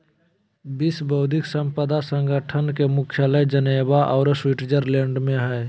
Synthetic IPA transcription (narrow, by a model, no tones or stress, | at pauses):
bisbəʊd̪ʱɪksə̃mpəd̪asə̃ŋɡəʈʰənkemʊkʰjaləjd͡ʒənebaʔɔːɾswiʈd͡ʒəɾlẽɳɖmẽɦɛː